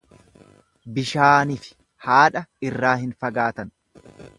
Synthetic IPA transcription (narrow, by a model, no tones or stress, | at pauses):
bɪʃaːnɪfɪ̥ | haːᶑɐɪrːaːɦɪnfɐɡaːt̪ɐn